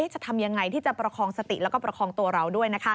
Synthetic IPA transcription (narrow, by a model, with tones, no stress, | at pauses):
eː˦˥t͡ɕa˨˩t̪ʰa˧mja˧ŋːa˧jt̪ʰiː˥˩t͡ɕa˨˩pɾa˧kʰɔː˧ŋsa˧t̪ḭ˨˩ʔlɛː˦˥kɔː˥˩pɾa˧kʰɔː˧ŋt̪u˧ɐɾa˧wdu˥˩əjna˦˥kʰa˦˥